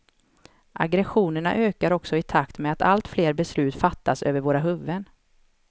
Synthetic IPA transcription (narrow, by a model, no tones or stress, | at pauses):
ʔa̰ɡɾɛɧuːnəɳa̰ʔøːkaɾɔksɔɪt̪ʰakt̪mɛat̪a̰lt̪fleːɾbɛslʉ̟ːt̪fat̪ːasø̰ːvəɾvoːɾaɦɵvːən